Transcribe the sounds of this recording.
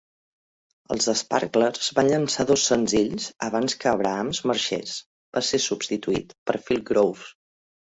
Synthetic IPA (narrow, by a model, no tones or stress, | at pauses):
ə̰lˠzəspa̰ɾkləɾz̥βanʎənsaðɔsːənziʎzəβ̞anskəːβɾəamzməɾʃḛs | b̥asesupst̪it̪uḭt̪pəɾfilˠɡɾowf